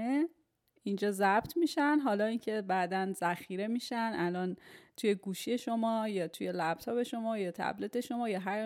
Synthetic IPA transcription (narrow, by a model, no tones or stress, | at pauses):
ind͡ʒɒːzæb̥t̪ʰmiːʃænɦɒːlɒːincʰe̞bæːd̪ænzæxiːɾe̞miːʃænʔælɒːnt̪ʰuje̞ɡuːʃije̞ʃo̞mɒːjɒːt̪ʰuje̞læb̥̚t̪ʰɒːbe̞ʃomɒːjɒːt̪ʰæ̰blit̪ʰe̞ʃo̞mɒːjɒːɦæɾ